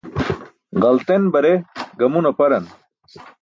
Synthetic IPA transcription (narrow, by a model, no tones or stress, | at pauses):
ʁɐlt̪enbɐɾeɡɐmunɐpɐɾɐn